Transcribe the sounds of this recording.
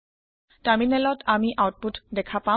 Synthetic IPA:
taminɛlɔtamiʔawt̚putdɛkʰapa

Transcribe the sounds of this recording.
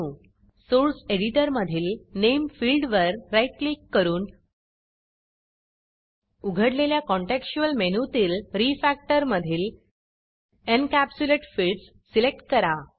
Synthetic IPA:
ũː | soɾseɽiʈəɾməd̪ʱiːlnemfiːlɖʋəɾɾajʈlikːəɾuːn | uɡʱəɽleljakɔ̃ɳʈekɕuəlmenut̪iːlɾifæk̚ʈəɾməd̪ʱiːl | ənkæpsuleʈfiːlɖs | silek̚ʈ̚kəɾa

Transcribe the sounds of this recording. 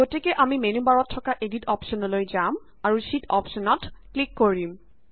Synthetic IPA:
ɡotekeʔamimenubaɹɔtʰːɔkaʔeditɔpʃɔnolojd͡ʑam | aɹuʃitɔpʃɔnɔtklikːoɹim

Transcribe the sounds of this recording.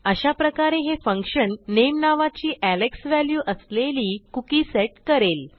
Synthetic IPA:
əɕapɾəkaɾeɦefəŋkʂənːemnaʋat͡ɕiːʔæleksʋæljuːʔəsleliːkukiːseʈkəɾel

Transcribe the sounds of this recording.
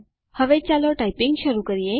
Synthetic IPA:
həʋet͡ɕalɔʈaipiŋɡɕəɾuːkəɾije

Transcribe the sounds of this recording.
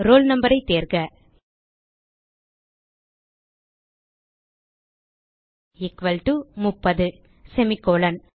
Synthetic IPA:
ɾoːlnɐmbɐɾɐɪt̪ːeːɾkɐ | ɪkʋɐlʈumʊpːɐðɯ | sɛmɪkoːɭɐn

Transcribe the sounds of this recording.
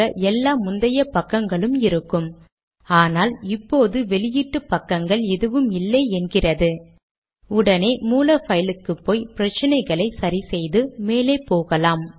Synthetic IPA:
ɐʔɛlːaːmʊnd̪ɐjɐpɐkːɐŋɡɐɭɯmɪɾɯkːɯm | aːnaːlɪpːoːðɯʋɛɭɪjɪʈːɯpːɐkːɐŋɡɐɭɛðɯʋɯmɪlːɐːɛnɡɪrɐðɯ | ʊɽɐneːmuːlɐfɐjɪlɯkːɯpːoːjpɪɾɐt͡ʃːɪnɐɪɣɐɭɐɪsɐɾisɛjðɯmeːleːpːoːɣɐlaːm

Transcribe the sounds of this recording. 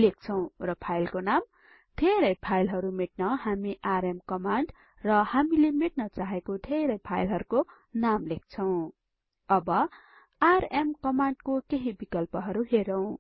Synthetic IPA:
lek̚ʰt͡sʰʌw̃rʌpʰajlkonam | d̪ʱeɾʌjpʰajlɦʌɾumeʈ̚nʌhamiʔaɾemkʌmaɳɖ | rʌhamilemeʈ̚nʌt͡saɦekod̪ʱeɾʌjpʰajlɦʌɾuko | namlek̚t͡sʰʌw̃ | ʌbʌ | aremkʌmaɳɖkokeɦibikʌlpʌɦʌɾuɦeɾʌw̃

